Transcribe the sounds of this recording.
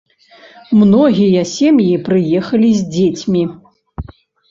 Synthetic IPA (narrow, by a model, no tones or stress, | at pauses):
mnɔɣʲijɐsʲɛmjipɾɨjɛxɐlʲizʲd͡zʲet͡sʲmʲi